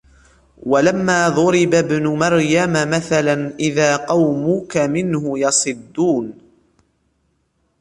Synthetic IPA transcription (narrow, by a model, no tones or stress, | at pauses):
walamːaːðˤʊɾɪbabnʊmɑɾjamamaθalanʔɪðaːqɑwmʊkamɪnhʊjɑsˤɨd̪ːuːn